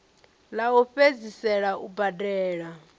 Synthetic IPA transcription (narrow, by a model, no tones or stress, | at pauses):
laɔɸed͡zisɛɺaʔubadʼɛːɺa